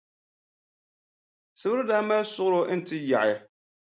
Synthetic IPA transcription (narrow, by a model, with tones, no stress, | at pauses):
sɨ˨bɨ˦ɾʊ˦daː˦ma˦sʊ˦ɣʊ˦ɾʊ˦ʔɪ˦n̩˦tɪ˦ja̰˨ʔja˦